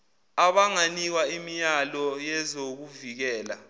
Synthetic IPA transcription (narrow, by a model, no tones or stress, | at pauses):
aɓaŋanik̬waimijalɔjɛzok̬uvik̬ɛːla̰